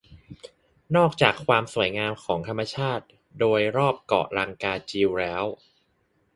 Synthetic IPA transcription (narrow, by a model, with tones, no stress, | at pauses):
nɔː˥˩k̚t͡ɕaː˨˩kʰːwaː˧msu˨˩˦əjŋaː˧mkʰɔː˩˦ŋt̪ʰa˧mːa˧t͡ɕʰaː˥˩t̪̚ | doː˧jɾɔː˥˩p̚kɔ̰˨˩ʔɾa˧ŋkaː˧t͡ɕiː˧wlɛː˦˥w